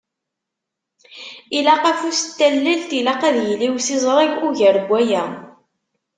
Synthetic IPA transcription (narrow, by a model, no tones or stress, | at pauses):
ilæqæfust̪ːælːilt̪ilæqæðjliwsizˤɾˤiʝʊʝəɾbʷːæjæ